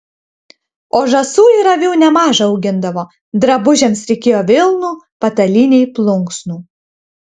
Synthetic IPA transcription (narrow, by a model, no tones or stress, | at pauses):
oːʒɐsuːiɾɐʋʲuːnʲɛmɑːʒɐɐʊɡʲɪnd̪ɐʋoː | d̪ɾɐbʊʒʲɛmsɾʲɛɪkʲeːjoːʋʲɪlˠnuː | pɐt̪ɐlʲinʲɛɪplˠʊŋksnuː